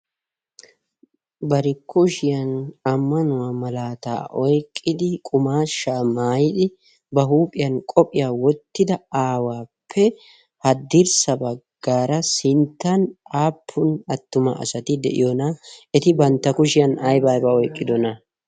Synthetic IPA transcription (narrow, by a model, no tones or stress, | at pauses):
bɐɾɪkʰːɔʃɪjɐnɐmːɐnʊwaːmɐlaːt̪a̰ːʔɔjkʼːɪd̪ɪkʼʊmaːʃːaːmaːjɪd̪ɪ | bɐɦuːpʼɪjɐnkʼɔpʼɪjaːwɔt̪ːɪd̪ɐaːwaːpʰːɛ | hɐd̪ɪɾsɐbɐɡ̥ːaːɾɐsɪnt̪ːɐnaːpʰːʊnɐt̪ːʊmɐ̰ʔɐ̰sɐt̪ɪd̪ɛ̰ʔɪ̰jɔnaɛt̪ɪbɐnt̪ːɐkʊʃɪjɐnɐjbaːjbɐɔjkʼːɪd̪ɔnɐ